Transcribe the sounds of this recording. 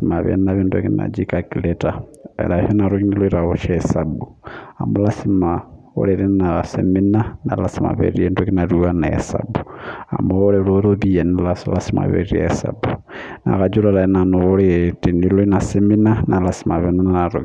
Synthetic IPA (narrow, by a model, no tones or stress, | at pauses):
simaβḛnnaβindokina̰d͡ʒikakiletaḛlahonaɾokiniloiɾaoʃasabu | amolasima | o̰leɾinasḛminana̰lasima̰βḛɾiendukinaɾuanaḛsa̰bua̰mooɾeloɾoβijenilasolasima̰βḛɾiḛsa̰bu | na̰kad͡ʒuɾaɾainanooletiniloinaseminanalasi̥maβenananaɾo